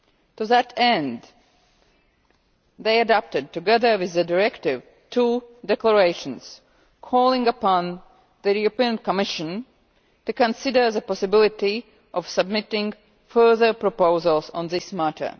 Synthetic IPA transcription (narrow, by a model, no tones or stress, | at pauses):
tuðɨtɛ̃n | ðeɪɨdæp̚tɨd̚tɨɡɛðə˞wɪðːɨdəɹɛktɪv | tʰudɛkləɹeɪʃə̃nz̥ | kʰɔlˠɪ̃ŋɡəpɑ̃n | ðəupĩə̃nkəmɪʃɨ̃n | tukə̃nsɪdə˞ðəpɑsɨbɪlˠɪti | ʔɔv̥səb̚mɪtɪ̃ŋ | fɜ˞ðə˞pɹ̥əpoʊzəlˠzə̰̃nðɪsmætʰə̰˞